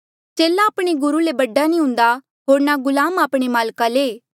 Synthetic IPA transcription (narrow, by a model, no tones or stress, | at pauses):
t͡ʃeːlãːpɽ̃eɡʊɾulebɐɖːanĩɦʊ̃ːn̆d̪a | ɦoːɾnaɡʊlaːmaːpɽ̃emaːlkaleː